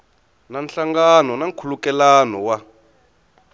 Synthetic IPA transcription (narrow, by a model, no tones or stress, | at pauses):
nanɬaŋɡanɔnaŋkʰulukɛlaːnɔwa